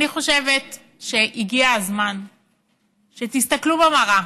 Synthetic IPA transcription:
niχo̞ʃe̞ve̞t | ʃe̞ʔiɡiazman | ʃe̞t̪ist̪aklubemaʁa

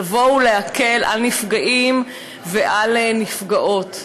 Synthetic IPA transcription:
vo̞wleake̞lʔa̰lnifɡaʔim | veʔalenifɡaʔo̞t

